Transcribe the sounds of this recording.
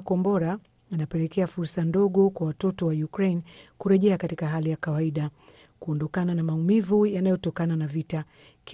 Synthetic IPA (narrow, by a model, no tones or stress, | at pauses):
kɔmbɔɾaː | napɛlɛkɛafuɾsandɔɠɔkwawatɔtɔwajukɾejnkuɾɛʄɛakatikaɦalijakawaiɗa | kuɔndɔkananamaumivujanajɔtɔkananavita | k